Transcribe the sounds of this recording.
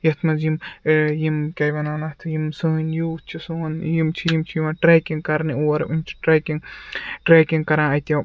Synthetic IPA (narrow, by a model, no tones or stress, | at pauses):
jɐt̪ʰmɐzimjimkʲɐjʋɐnaːnɐt̪ʰjimsɨːnjuːt͡ʃʰisoːnjimt͡ʃʰijimt͡ʃʰijimãʈɾeːkiŋɡkɐɾnioːɐɾunʲt͡ʃʰi̥ʈɾeːkiŋʈɾeːkiŋɡkɐɾãːɐt̪jɐ